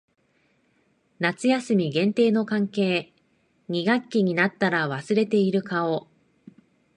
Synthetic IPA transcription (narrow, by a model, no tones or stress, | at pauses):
nat͡sɨjasɨmʲiɡẽ̞nt̪e̞ːno̞kãŋke̞ː | ɲ̟iɡakʲːiɲ̟inat̪ːaɾaβasɨɾe̞t̪e̞iɾɯ̟kao̞